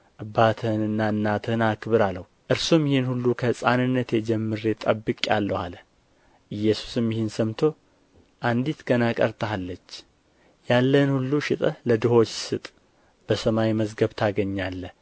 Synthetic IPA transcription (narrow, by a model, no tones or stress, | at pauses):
ʔɨbat̪ʰənɨnːaɨnːat̪ʰɨnakʰβɨɾaləh | ʔɨɾsumjɪhenhulːukʰəsʼanɨnːət̪jɛd͡ʒɛmːɨɾet̪ʼəbːɨkʼja̰lːəha̰lə | ʔɨjːɛsu̥sɨmjɪhɪnsəmt̪ʰo̞ | ʔand̪it̪ɡənakʼəɾt̪ʰəhalːət͡ʃː | jalːənhulːuʃɪt̪ʼələd̪ɨho̞t͡ʃːsɨt̪ʼ | b̥əsəmawiməzɡəβt̪ʰaɡəɲːalːə